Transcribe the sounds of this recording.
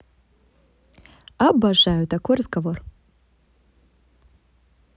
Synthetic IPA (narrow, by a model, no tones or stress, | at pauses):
abaʐajut̪akʰʷɔjrɐzɡavor